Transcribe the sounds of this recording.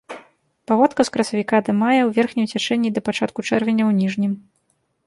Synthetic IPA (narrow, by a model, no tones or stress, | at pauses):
pavɔt̪kɐskɾɐsɐvʲikad̪ɐmajɐwvʲɛrxnʲijt͡sʲɛt͡ʂɛnʲːid̪ɐpat͡ʂat̪̚kut͡ʂɛrvʲɛnʲɐwnʲiʐnʲim